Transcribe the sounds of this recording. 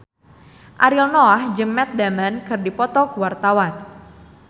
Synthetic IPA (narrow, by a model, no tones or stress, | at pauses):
ʔaɾilnɔahd͡ʒəŋːɛt̪̚damankɨrdipɔt̪ɔkuwart̪awan